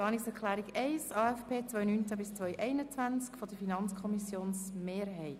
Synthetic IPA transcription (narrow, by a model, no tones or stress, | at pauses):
ɑːniksɛkʰlæːɾiɡɛɪsɑːɛfpʰeːt͡sʋœjnynt͡sabɪst͡sʋœʏʔɛɪnət͡sʋænt͡skfɔdəfinɑnt͡skʰɔmisjoːnsmeːɾɦɛɪt